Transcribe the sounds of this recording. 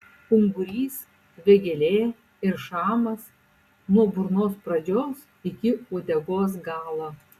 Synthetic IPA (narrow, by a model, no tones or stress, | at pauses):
kʊŋɡʊɾʲiːs | ʋʲɛɡʲɛlʲeː | ɪɾʃɑːmɐs | nuɔbʊɾnoːspɾɐd͡ʒʲoːs | ɪkʲɪoːd̪ʲɛɡoːs̬ɡɑːlˠɑ